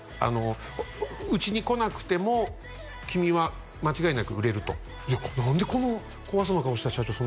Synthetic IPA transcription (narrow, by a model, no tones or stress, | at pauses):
a̰no̞ | ɯt͡ɕiɲ̟iko̞nakɯ̟̥t̪e̞mo̞ | kʲimʲiβa | mat͡ɕiɡainakɯ̟ɯɾe̞ɾɯ̟t̪o̞̰ | nãnd̪e̞ko̞no̞ | koβas̬anokaoɕi̥t̪aɕat͡ɕo̞son